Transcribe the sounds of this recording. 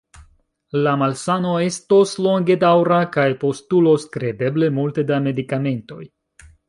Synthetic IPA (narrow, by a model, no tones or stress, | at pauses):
lamalsanoe̞sto̞slo̞ŋɡe̞dawɾakajpo̞stulo̞skɾe̞de̞ble̞multe̞dame̞dikame̞nto̞̰j